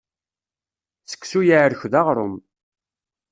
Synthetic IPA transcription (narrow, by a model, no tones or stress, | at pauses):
sə̥kːsujəʕɾçðɑʁɾˤʊm